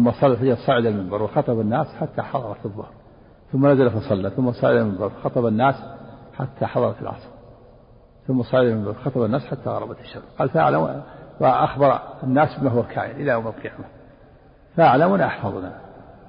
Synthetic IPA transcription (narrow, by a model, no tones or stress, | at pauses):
ʊmːɑsˤɑlːafad͡ʒɑlsˤɑːʕɪd̪almɪmbɑɾˤwɪxɑt̪ˤɑbanːaːsħat̪ːaħɑðˤɑɾˤɑt̪ɨðˤːʊhɾ | θʊmːanazalafɑsˤɑlːaθʊmːasˤɑːʕɪd̪almɪmbɑɾˤwxɑt̪ˤɑbanːaːsħat̪ʰːaħɑðˤɑɾˤɑt̪ɪlʕɑ̰sˤɾ | θʊmːasˤɑːʕɪd̪almɪmbɑɾˤwxɑt̪ˤɑbanːaːsħat̪ːa̰ɣɑ̰ɾˤɑbat̪ɪ̥ʃːamqɑːlfaʔa̰ʕlamwaʔaxbɑɾˤanːaːsbɪmaːɦʊwakʰa̰ːʔɪlʔɪlːajamːɪlqijama | faʔaʕlamʊnʔaħfɑðˤna̰